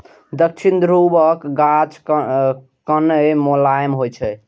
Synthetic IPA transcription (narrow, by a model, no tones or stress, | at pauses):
d̪ək̚t͡ʃʰind̪ɾubəkɡat͡ʃ | kənəmolajmɦojt͡ʃʰɛ